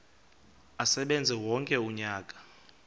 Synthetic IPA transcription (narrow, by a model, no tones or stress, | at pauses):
asɛɓɛnd͡zʱɛwɔŋkʼɛuɲaːkʼḁ